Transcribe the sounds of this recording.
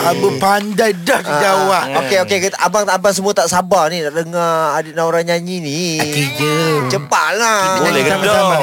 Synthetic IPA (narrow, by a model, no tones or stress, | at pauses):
abəpandajdahkəd͡ʒawaʔokeokekit̪ʔabaŋabaŋs̬əmuat̪aʔsabaninaʔdəŋaadinaoɾaŋɲaɲiniid͡ʒət͡ʃəpa̰ʔlaɲaiamaama